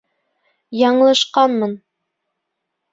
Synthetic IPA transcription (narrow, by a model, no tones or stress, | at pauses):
jɑɴɤ̆lˠɤ̆ʃqɑnmɤn